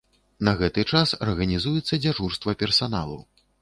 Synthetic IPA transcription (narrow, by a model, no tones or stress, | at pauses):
nɐɣɛt̪ɨt͡ʂasɐrɣɐnʲizujɛt̪sːɐd͡zʲaʐurst̪vɐpʲɛrsana̰lˠṵ